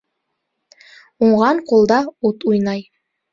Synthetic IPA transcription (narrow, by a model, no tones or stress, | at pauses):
uɴʁɑɴqulˠd̪ɑut̪ujnɑj